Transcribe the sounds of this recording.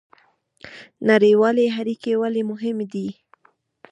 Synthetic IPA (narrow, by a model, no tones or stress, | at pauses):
naɾewɑleɦaɾikewalemʊɦɪmd̪i